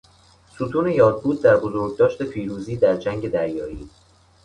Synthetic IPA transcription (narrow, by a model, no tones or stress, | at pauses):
sut̪ʰuːne̞jɒːd̪̚buːd̪̚ːæɾbozoɾɟ̚d̪ɒːʃt̪e̞pʰiːɾuːziːd̪æɾd͡ʒæŋɟe̞d̪æɾjɒːiː